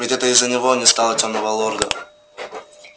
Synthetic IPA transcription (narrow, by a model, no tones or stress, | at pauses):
vʲɪtʲɛt̪əɪzːənʲɪvonʲɪst̪alˠətʲomnəvɐlˠorɡə